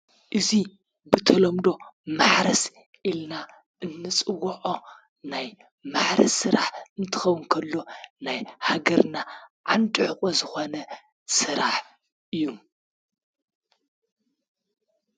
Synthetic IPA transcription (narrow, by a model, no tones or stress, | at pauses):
ʔɨzi | bɨt̪ʰɐlɐmd̪o̞maħɾɐs | ʔilna | ʔɨnːɨt͡sʼɨwɐʕo | naj | maħɾɐ̰sɨɾaħɨnt̪ʰɨ̥xɐwʊnkʰɐlːo̞najhaɡɐɾnaʕand̪ʼɨʕɨkʼozɨxo̞nɐ | sɨɾaħ | ʔɨjːu